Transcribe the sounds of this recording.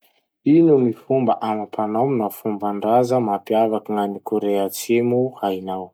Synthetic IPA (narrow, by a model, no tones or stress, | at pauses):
inumifumbaʔamapʰanamnafumbaɳɖ͡ʐazəmapiavakiŋanikoɾeat͡semuhainaw